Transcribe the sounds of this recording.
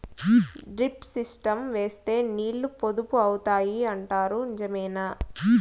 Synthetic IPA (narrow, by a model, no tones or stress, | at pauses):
ɖɾipsisʈɐmʋe̞ːst̪e̞ːniːɭːupo̞d̪upuɐwut̪aːjiɐɳʈaːɾunid͡ʒɐmɛːnaː